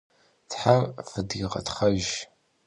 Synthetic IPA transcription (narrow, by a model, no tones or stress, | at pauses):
tħarfɨdiʁɐ̰tχɐʒ